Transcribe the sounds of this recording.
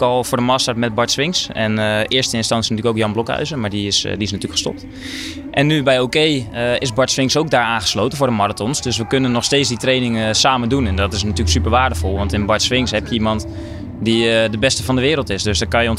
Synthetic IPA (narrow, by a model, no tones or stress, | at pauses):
kɔlˠfʊːɹdəmastaɹtmɛt̚bɔɹtsʋɪŋsɛ̰nɪəstəɪnstɑnsjənatyːləkowkjɑnblɔkœ̰ɥzəmaːɹdiɪsdiɪs̬natyːləkχə̥stɔ̰p̚t | ʔɛnːybɛjokejəɪsbɔɹtsʋɪŋsowk̚daːɹaːnχə̥sloːtənfʊːrdəmɔratɔnsdøsʋəkønənːɔxsteːt͡ssditrejnɪŋsaːməndunɛndɔtɪs̬natyːləksypəɹʋaːɹdəfɔlˠʋɑntɪnbɔɹtsʋɪŋsɦɛpjəimɔnt | didəbɛstəfɔndəʋɪːɾəlˠtɪsdøsdɔkɑnjəɔn